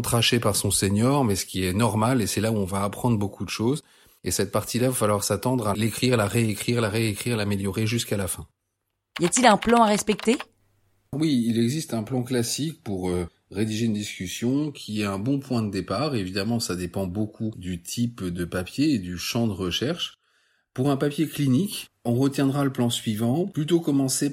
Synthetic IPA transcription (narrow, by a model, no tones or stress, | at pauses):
t̪χaʃepaʁsɔ̃seɲɔʁmɛsə̥kʲiɛnɔʁmalesɛlauɔ̃vaːpχɑ̃d̪ʁbokud̪əʃoz | esɛt̪̚paʁt̪ilavafalwaʁsat̪ɑ̃d̪ʁalekχiʁlaʁeekχiʁlaʁeekχiʁlameljɔʁeʒyskalafɛ̃ | ijat̪ilɛ̃plɑ̃aʁɛspɛk̚t̪e | wiːlɛɡzist̪ɛ̃plɑ̃klasik̚puʁø | ʁed̪iʒeynd̪iskʲysjɔ̃kʲʰiɛɛ̃bɔ̃pwɛ̃d̪əd̪epaːʁevid̪amɑ̃sad̪epɑ̃bokʰud̪yt̪ʰipd̪əpapjeːd̪yʃɑ̃d̪əʁəʃɛʁʃ | puʁɛ̃papjeklinik | ɔ̃ʁət̪jɛ̃d̪ʁaləplɑ̃sɥivɑ̃plyt̪okɔmɑ̃se